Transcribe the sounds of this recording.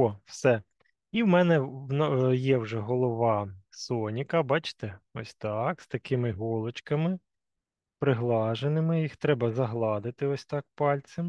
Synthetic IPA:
ɔwsɛ | iwmɛnɛwnjɛwʒɛɦɔlˠɔʋɑsɔnʲikɐbɑt͡ʃɪ̥t̪ɛɔsʲt̪ɑkst̪ɐkɪmɪɦɔlˠɔt͡ʃkɐmɪ | pɾɪɦlˠɑʒenɪmɪjixt̪ɾɛbɐzɐɦlˠɑd̪ɪt̪ɪɔsʲt̪ɑk̚pɑlʲt͡sʲɪm

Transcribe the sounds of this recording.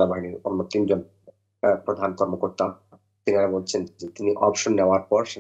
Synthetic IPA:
abaɦiniɾonːot̪ind͡ʑon | pɾod̪ʱankɔɾmokoɾt̪a | t̪iniaɾabolt͡ɕʰend͡ʑet̪iniʔɔpʃonːeoaɾpɔɾʃe

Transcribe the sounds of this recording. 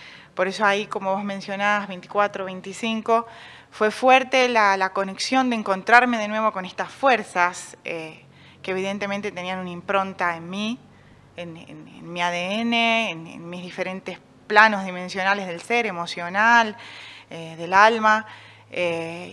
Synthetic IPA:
po̞ɾe̞so̞aiko̞mo̞βo̞zmẽnsjo̞naβazβejnt̪i̥kwat̪ɾoβejnt̪isiŋko̞ | fwe̞fweɾt̪elalako̞ne̞ksjo̞nd̪eŋko̞nt̪ɾaɾme̞ð̞enwe̞βo̞ko̞nest̪afweɾsase | keeβiðe̞nt̪e̞mẽnt̪e̞t̪e̞nianunimpɾo̞nt̪aenmi | enḛnḛnmiaðeeneːnḛnmizðife̞ɾe̞nt̪es | plano̞zðimensjo̞nale̞zðe̞lseɾemo̞sjo̞naleðelalma | e

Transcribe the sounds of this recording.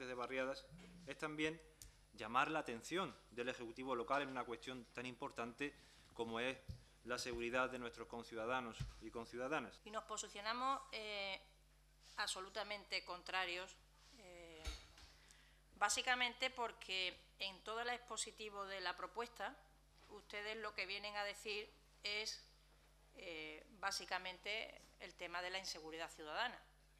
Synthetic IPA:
eðeβarjaðase̞st̪ambjẽ̞n | ɟ͡ʝamaɾlaːt̪e̞n̟θjo̞nd̪e̞le̞xekut̪iβo̞lo̞kale̞nunakwe̞st̪jo̞nt̪anĩmpo̞ɾt̪ant̪e̞ | ko̞moe̞s | lase̞ɣ̞uɾiðaðe̞nwe̞st̪ɾo̞hko̞nθjuðaðanosiko̞nθjuðaðanasino̞hpo̞siθjo̞nãmose | aso̞lut̪amẽ̞nt̪e̞ko̞nt̪ɾaɾjo̞s | e | basikamẽnt̪e̞po̞ɾkʰe̞ː | nt̪o̞ð̞alaehpo̞sit̪iβo̞ðe̞lapɾo̞pwe̞st̪a | ust̪e̞ð̞e̞ɦlo̞ke̞βje̞nẽ̞ŋað̞e̞θiɾ | e̞s | ebasikamẽ̞nt̪e̞ | ḛlt̪e̞mað̞e̞lainse̞ɣ̞uɾiðaθjuðaðana

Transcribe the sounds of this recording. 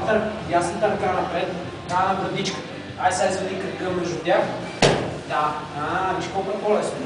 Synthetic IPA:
t̪əɾjasəmt̪ɐɾkanɐpɾɛt̪ | t̪anɐbɾɐd̪it͡ʃkə̥ | aisʲaizvɛd̪ikɐɾkəfmɛʒd̪ʊt̪ʲjax | d̪aabiʃkolˠkɛpɔlɛsnʊ

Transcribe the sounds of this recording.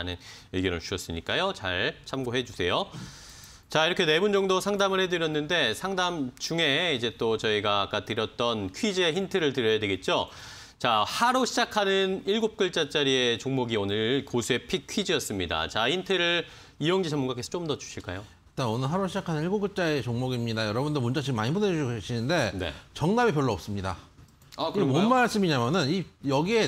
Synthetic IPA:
nɯneɡjʌɾɯ̰ɭt͡ɕʰuʌs͈ɯmɲik͈ajot͡ɕa̰ɭt͡ɕʰamɡoɦed͡ʑusʰe̞jo | t͡ɕaiɾʌkʰe̞ne̞bund͡ʑʌŋdosʰaŋdamɯɭhe̞dɯɾjʌnːɯnde̞sʰaŋdamt͡ɕuŋe̞id͡ʑe̞t͈ot͡ɕʌiɡaːk͈atɯɾjʌt̚t͈ʌnkʰɥid͡ʑieçintʰɯɾɯɭtɯɾjʌjadwe̞ɡe̞t̚t͡ɕ͈o | t͡ɕahaɾoɕʰid͡ʑakʰanɯniɭɡop̚k͈ɯɭt͡ɕ͈at͡ɕ͈aɾie̞t͡ɕoŋmoɡionɯɭkosʰue̞pʰikʰɥid͡ʑiʌs͈ɯmɲida̰t͡ɕahintʰeɾɯɭ | ijʌŋd͡ʑid͡ʑʌmunɡak͈esʰt͡ɕ͈omdʌd͡ʑu̥ɕʰiɭk͈a̰jo | t͈aonɯɭɦaɾoɕʰid͡ʑakʰanɯniɭɡoɡut͡ɕ͈ae̞t͡ɕoŋmoɡimɲidajʌɾʌbundomund͡ʑat͡ɕiɯmːaɲibuned͡ʑoeɕʰinɯnde̞nḛt͡ɕʌŋnabip̬ʲjʌɭːoʌp̚s͈ɯmɲida̰ | akimonmaɭs͈ɯmiɲamjʌnɯnijʌɡie̞

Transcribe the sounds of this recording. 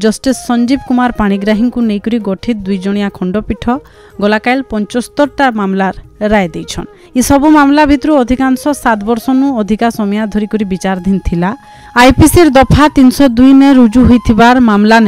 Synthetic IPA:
d͡ʒɔsʈisːɔnd͡ʒib̚kumaɾpaɽ̃iɡɾaɦiŋkunejkɔɾiɡɔʈʰit̪̚d̪ujd͡ʒɔɽ̃ijakʰɔɳɖɔpiʈʰɔ | ɡɔlakajlpɔnt͡ʃɔst̪ɔɾʈamamlaɾɾaed̪ejt͡ʃʰɔn | isɔbumamlabʱit̪ɾuɔd̪ʱikansɔsat̪bɔɾsɔnuɔd̪ʱikasɔmijad̪ʱɔɾikɔɾibit͡ʃaɾd̪ʱint̪ʰila | ajpiseɾd̪ɔpʰat̪insɔd̪ujneɾud͡ʒuɦojt̪ʰibaɾmamlane

